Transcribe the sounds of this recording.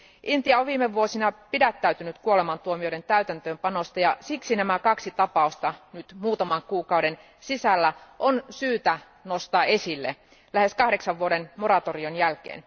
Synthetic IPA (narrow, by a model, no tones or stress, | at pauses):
ʔint̪iɑoʋʋiːmeʋʋuosinɑpidæt̪ːæyt̪ynyt̪kuolemɑnt̪uomioɾent̪æyt̪ænt̪øːmpɑnost̪ɑjɑsiksinæmækɑksit̪ɑpɑˑust̪ɑnyt̪muːt̪ɑmɑŋkuːkɑwde̞n | sisælːæʔonsyːt̪æ | nost̪ɑːʔesilːḛ | læhe̞skɑhde̞ksɑʋːuoɾenmo̞ɾɑt̪orionjælkḛːn